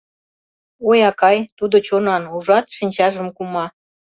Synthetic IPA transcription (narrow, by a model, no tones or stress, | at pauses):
ojɑkɑjt̪ud̪ot͡ɕonɑnuʒɑt̪ʃinʲt͡ɕɑʒəmkumɑ